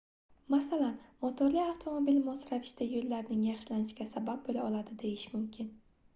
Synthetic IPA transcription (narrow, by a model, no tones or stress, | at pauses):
masalanmot̪ʰoɾliawt̪ʰo̞mobilmɒsɾavɪʃt̪ajolːaɾnɪŋjɑχʃɪlanɪʃɡʲasabap̚bolaɒlˠad̪ɪd̪e̞jɪʃmʊmkʲʰɪn